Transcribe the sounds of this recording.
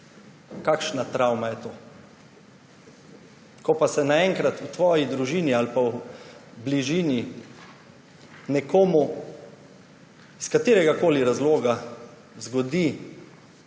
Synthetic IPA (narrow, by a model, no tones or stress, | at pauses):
kakʃnat̪ɾawmajɛt̪oː | kɔpasɛnaɛŋkɾat̪ut̪ʋɔːjid̪ɾuʒiːnialpawbliʒiːni | nɛkoːmu | skat̪iːɾɛɡakoːliɾazloːɡa | zɡɔd̪i